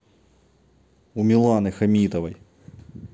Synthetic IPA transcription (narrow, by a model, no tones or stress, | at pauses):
umʲilˠɑnɨxɐmʲit̪ɐvɐj